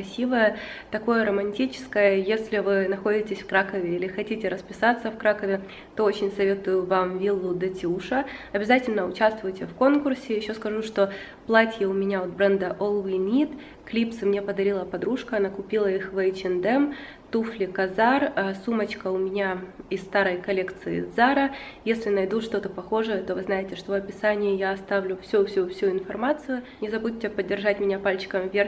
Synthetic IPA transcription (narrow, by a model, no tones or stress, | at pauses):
ɐsʲivəjət̪ɐko̞jəɾəmɐnʲtʲit͡ɕɪ̥skəjəjesʲlʲɪvɨnɐxo̞dʲɪtʲɪsʲfkɾakəvʲɪilʲɪxɐtʲitʲɪɾəspʲɪsat̪sːəfkɾakəvʲɪ | t̪o̞ot͡ɕɪnʲsɐvʲe̞t̪ʊjʊvamvʲilˠːʊd̪ɐtʲɪuʂəɐbʲɪzatʲɪlʲnəʊt͡ɕast̪vʊjɪtʲɪfko̞nkʊrsʲɪjɪɕːo̞skɐʐuʂt̪o̞ | plˠatʲjəʊmʲɪnʲaot̪̚bɾɛnd̪əʔolˠvinʲit̪ | klʲipsɨmnʲe̞pəd̪ɐɾʲilˠəpɐd̪ɾuʂkəɐnakʊpʲilˠəixvəjt͡ɕɪnd̪ɛm | t̪uflʲɪkɐzarəsumət͡ɕkəʊmʲɪnʲaɪst̪aɾəjkɐlʲekt̪sɨɪzaɾəjesʲlʲɪnɐjd̪uʂt̪o̞t̪əpɐxo̞ʐəjət̪o̞vɨznajɪtʲɪʂt̪ovɐpʲɪsanʲɪjɪjaɐst̪avlʲʊfsʲufsʲufsʲuɪnfɐrmat̪sɨjʊnʲɪzɐbutʲtːʲɪpədʲːɪrʐatʲmʲɪnʲapalʲt͡ɕɪ̥kəmvʲerʲ